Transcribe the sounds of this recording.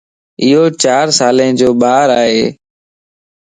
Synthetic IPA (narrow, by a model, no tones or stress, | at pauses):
ɪɦoːt͡ʃaːɾsaːlẽːd͡ʒoːɓaːɾaːɦeː